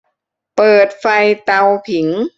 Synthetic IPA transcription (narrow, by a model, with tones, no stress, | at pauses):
pɤː˨˩t̪̚fa˧jt̪a˧wpʰi˩˦ŋ